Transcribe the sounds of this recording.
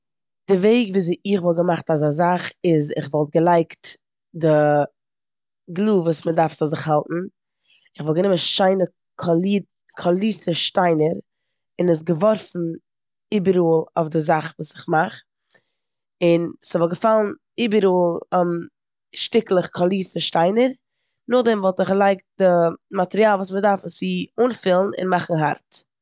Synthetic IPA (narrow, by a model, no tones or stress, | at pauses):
d̥ɪveɪɡviːzɪχvɔlˠɡəmaχtazazaχɪzɪχvɔlˠt̚ɡəlˠaɪkt | dɪ | ɡlˠuːvuːsmədaɾfsazɪχhalˠtn̩ | ɪχvɔlˠɡənɪmənʃaɪnə | kʰɔli | kʰɔlˠitəʃtaɪnəɾ | ɪnɪs̬ɡəvɔɾfn̩ | iːbəɾuːlˠaʊfdɪzaχvuːsɪ̥χmaχ | ɪnsɪvɔlˠɡəfalˠn̩ | iːbəɾuːlˠm | ʃtɪklˠəχkʰɔlˠiːɾtəʃtaɪnəɾ | nʊχdɛmvɔlˠtɪχlˠaɪk̚d̥ɪmatɛɾiaːlˠvuːsmədaɾfsiuːnfɪlˠn̩ɪ̰nmaχn̩ɦa̰ɾt